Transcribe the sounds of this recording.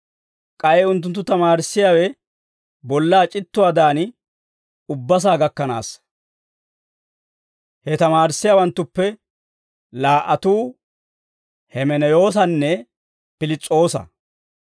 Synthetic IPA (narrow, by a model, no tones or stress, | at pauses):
kʼɐjɛʊnt̪̬ːʊnt̪ːʊt̪ɐmaːɾɪsːɪjaːwɛ | bɔlːaːt͡ʃʼɪt̪ːʊwaːd̪aːn | ʊbːɐs̬aːɡɐkːɐna̰ːs | hɛt̪ɐmaːɾɪsːɪjaːwɐnt̪ːʊpːɛ | laːʔɐt̪uː | hɛmɛnɛjo̞ːs̬ɐnːɛ | pɪlɪt͡sʼːo̞ːsɐ̰